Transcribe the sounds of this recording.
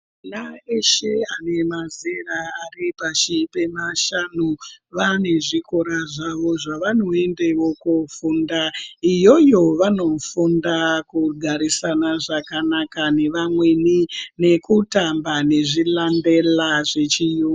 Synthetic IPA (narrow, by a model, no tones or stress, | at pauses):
naeʃeane̞mazeraːripaʃipe̞maʃanuʋane̞ʐikoɾaʐaʋo̞ʐaʋano̞e̞ndewo̞kufundaijo̞jo̞ʋano̞fundakuɡʱaɾisanaʐakanakane̞ʋamwenine̞kutambaneʐilande̞laʐet͡ʃiju